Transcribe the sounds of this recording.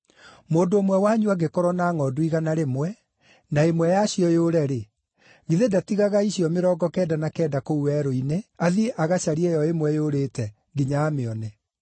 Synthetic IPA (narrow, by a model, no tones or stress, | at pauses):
moːndoːmwɛwaɲuaɡekɔɾwɔnaːŋɔdwiɣanaɾemwɛ | naemwɛjaɕiɔjoːɾɛɾe | ɣiðedatiɣaɣaiɕiɔmeɾɔːɡɔkɛːdanakɛːdakouwɛɾoineaðieʔaɣaɕaɾiɛjɔemwɛjoːɾeːtɛ | ɡiɲaːmeɔne